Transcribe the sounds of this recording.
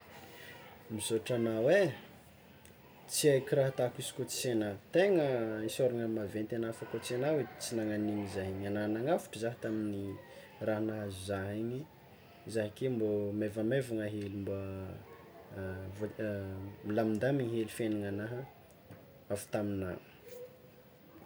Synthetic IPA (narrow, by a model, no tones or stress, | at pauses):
mizoʈ͡ʂanawe | t͡siajkʲiraɦət̪akisi̥kot͡si̥senat̪eŋəisoɾaŋamavent̪enafakot͡senawet͡sinaŋaniɲizaɦiɲanaɦnaŋafu̥ʈ͡ʂəzaɦit̪amini | raɦanaɦazuzaɦiɲi | zaɦakembomevamevaŋaɦelimba | vo | milamind̪amiɲiɦelifenaŋanaɦə | afu̥t̪amina̰